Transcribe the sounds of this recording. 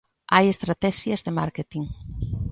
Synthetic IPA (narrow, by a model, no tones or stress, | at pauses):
ʔajest̪ɾat̪ɛʃjɐzðema̰ɾket̪iŋ